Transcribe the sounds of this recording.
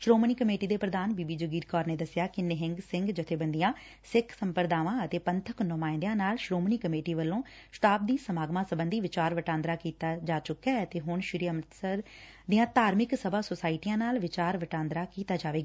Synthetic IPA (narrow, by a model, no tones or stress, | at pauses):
ʃɾoːmɳiːkəmeːʈiːd̪eːpɾəd̪aːnbiːbiːd͡ʒoɡiːɾkɔːɾneːd̪əsɪjaːkɪnɪɦɪ̃ŋɡsɪ̃ŋɡd͡ʒɪt̪ʰeːbənd̪ɪjãː | sɪkʰsəmpəɾd̪aːʋãːət̪eːpənt̪ʰəknʊmaːɪ̃nd̪jãːnaːlʃɾoːmniːkəmeːʈiːʋəlːõː | sʈaːp̚d̪iːsəmaːɡmãːsəbənd̪iːʋɪt͡ʃaːɾʋəʈãːnd̪ɾaːkiːt̪aːd͡ʒaːt͡ʃʊkːɛːət̪eːɦʊɳʃɪɾiːəmt̪səɾ | d̪ɪjãːt̪aːɾmɪksəbaːsosaːɪʈijãːnaːlʋɪt͡ʃaːɾʋəʈãːnd̪ɾaːkiːt̪aːd͡ʒaːʋeːɡaː